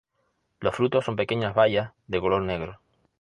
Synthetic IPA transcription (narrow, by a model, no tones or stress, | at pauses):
losfɾut̪osːo̞mpe̞keɲazβajas | ðekolo̞ɾneɣ̞ɾo